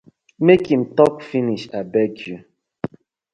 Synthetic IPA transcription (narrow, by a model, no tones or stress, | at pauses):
mekĩm̩tɔkfiniʃabɛkju